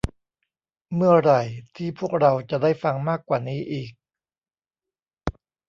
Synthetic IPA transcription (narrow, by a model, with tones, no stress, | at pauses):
mɯ˥˩ɐɾa˨˩jt̪ʰiː˥˩pʰu˥˩ək̚ɾa˧wt͡ɕa˨˩daː˥˩jfa˧ŋmaː˥˩kːwaː˨˩niː˦˥ʔiː˨˩k̚